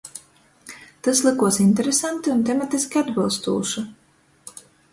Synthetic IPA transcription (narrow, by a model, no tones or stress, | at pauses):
t̪aslˠɨkuɔsinʲt̪ɛɾesant̪iunt̪ɛmat̪iskʲiad̪bɨlˠst̪ṵːʃu